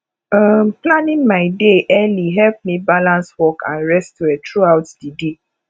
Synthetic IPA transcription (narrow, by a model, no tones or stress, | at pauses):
ʌmplãnĩŋmaɪdeʔɛliɦɛlp̚mibalãnswɔkʰã̰nɹɛstɛtɹuaʊtdide